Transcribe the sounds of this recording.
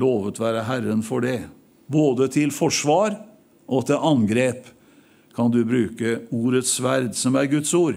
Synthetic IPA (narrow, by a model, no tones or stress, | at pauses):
loːʋət̪ʋæːɾəɦæɾənfɔɖɛ | boːd̪ət̪ʰɪlfɔʂʋɑːɾ | ʔɔt̪ʰɪlɑnɡɾeːp | kʰɑnd̪ʉbɾʉːkəuːɾət̪sʋæɾd̪sɔmæɾɡʉt̪suːɾ